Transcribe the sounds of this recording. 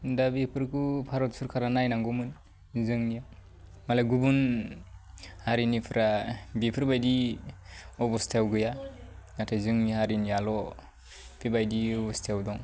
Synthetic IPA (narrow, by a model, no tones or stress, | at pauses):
dabipʰɯɾkʰupʰaɾɔt̚suɾkʰaɾanajnaŋɡɔmɯn | zɯŋnija | malaɡubun | haɾinipʰɯɾabipʰɯɾbajdi | ɔbɔstʰawɡɯjanatʰajzɯŋnihaɾinialɔ | pʰibajdiɔbɔstʰawdɔŋ